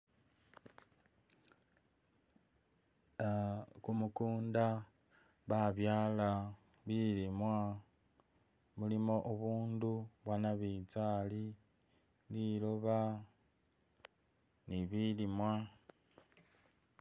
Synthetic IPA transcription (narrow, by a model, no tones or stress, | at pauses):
kumukuːnda | βaβjaːla | βilimwa | mulimo̞ʔoβuːnduβwanaβit͡sali | liloβa | niβilimwa